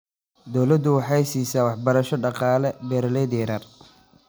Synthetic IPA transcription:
d̪ɔwlɐd̪ʊwɑħɑjsiːsaːwɑħbɐɾɐʃɔɖɑqɑːlɛbɛɾlɛd̪ɛːɾɐr

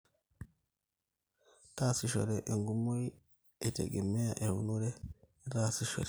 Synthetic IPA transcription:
tasiʃɔ̰ɾɛʔɛŋɡumoj | ɛtɛ̰ɡɛmːɛjaʔɛɾṵnɔɾɛ | ɾasiʃɔ̰ɾɛ

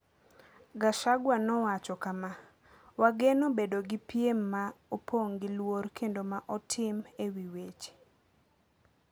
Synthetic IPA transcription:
ɡaʃaɡwanɔwat͡ʃɔkama | waɡenobedoɡɪpjemːaopʰoŋɡɪlworkʰendomaʔɔtʰɪmewiwet͡ʃ

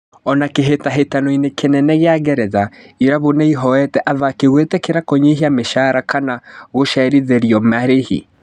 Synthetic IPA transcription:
ɔnakeɦetaɦetanɔinekʰenɛnɛɣeaɣɛɾɛðaiɾaβonaiɦɔɛtɛʔaðakeɣwetɛkeɾakɔɲeɦiameʃaɾakʰanaɣoʃɛɾiðeɾiɔmaɾehḭ

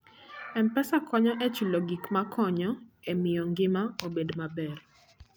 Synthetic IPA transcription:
ɛmpɛsakʰɔɲɔʔɛt͡ʃuloɡikmakʰɔɲɔɛmɪjɔŋɡɪmaobedmabɛr

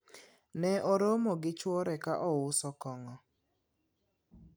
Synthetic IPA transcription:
nɛɔɾomoɡɪt͡ʃwɔɾɛkaʔɔwʊsɔkɔŋɔ

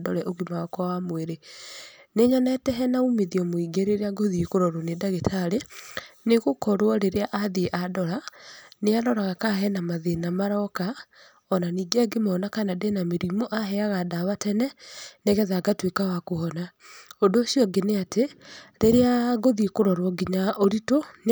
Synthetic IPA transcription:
dɔ̰lɛʔoɣimaɔkɔwamweɾe | neɲanɛtɛɦɛnaumeðiɔmoiɡeɾeɾeaɡoðikoɾɔɾonedaɣetʰaɾeneɣokɔɾwɔɾeɾeaʔaðiʔadɔɾaneaɾɔɾaɣakaɦɛnamaðenamaɾɔka | ɔnaniːɡaɡemɔnakanadenameɾimoʔaɦɛaɣadaβatɛnɛneɣɛðaɡatwekawakohɔnaodoːsjɔɡeneateɾeɾeaɣoðikoɾɔɾwɔɡiɲaʔoɾiton

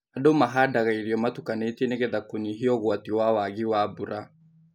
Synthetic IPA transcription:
adomaɦadaɣaiɾiɔmatukaneteneɣɛðakoniɦiɔɣwatiwawaɣiwaːbuɾa

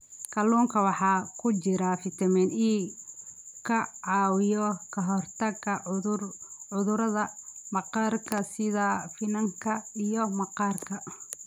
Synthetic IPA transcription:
kʰɐluːŋkʰɐwɑħɑːkʰʊt͡ʃɪɾafɪt̪ʰɐmɛːniː | kʰɐʕɑːwɪjɔkʰɐɦɔrt̪ʰɐɡɐ | ʕʊðʊɾɐðɐmɑqɑːrkʰɐsɪðafɪnɐŋkʰɐijɔmɐqɑːrkʰɐ

